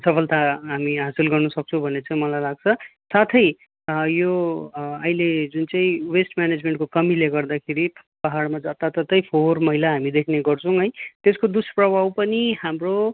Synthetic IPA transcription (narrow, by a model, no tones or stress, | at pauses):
sʌpʰʌlt̪aɦamiɦasilɡʌrnʌsʌk̚t͡sʰʌ̃bʱʌnet͡saĩmʌlajlaɡ̚t͡sʰʌsat̪ʰʌj | jo | ʌiled͡zunt͡saĩwesʈmjaned͡zmeɳʈkokʌmileɡʌrd̪akʰeɾipaɦaɽmad͡zat̪at̪ʌt̪ːʌjpʰormʌɦilaɦamid̪ekʰneɡʌrt͡sʰʌw̃ɦʌjt̪eskod̪usprʌbʱawpʌniɦamro